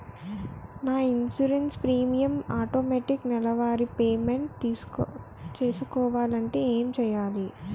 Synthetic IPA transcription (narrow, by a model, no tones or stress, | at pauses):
naːinsuɾenspɾiːmijɐmaːʈoːmeːʈiknɛlɐʋaːɾipeːmeɳʈt̪ː | t͡ʃe̞ːsukɔːʋaːlɐɳʈe̞ːeːmt͡ʃɛjaːli